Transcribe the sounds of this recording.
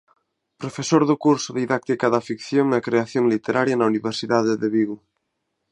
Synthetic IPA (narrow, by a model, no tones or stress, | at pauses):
pɾofesoɾðʊkuɾsʊðiðak̚t̪ikaðɐfikθjoŋnɐkɾeaθjoŋlit̪eɾaɾjɐnɐuniβeɾsiðaðɪðeβiɣu